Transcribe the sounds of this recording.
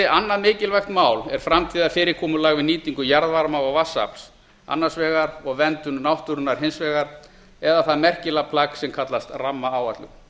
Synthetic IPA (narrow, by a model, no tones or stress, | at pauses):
ɪanːaðmɪːcɪlvajxt̪maːwlɛɾ̥fɾamt̪ʰiːðafɪːɾɪkʰɔːmʏlaɣvɪðniːt̪iŋkʏjaɾðvaɾmaɔɣvasːa̰pls | a̰nːasvɛːɣaɾɔɣvɛnt̪ʏnnawht̪ʏɾʏnaɾ̥ɦɪnsvɛːɣaɾ̥ | ɛðaθaðmɛr̥cɪlapʰlaksɛmkʰat̪last̪ramːaaːwat̪lʏ̰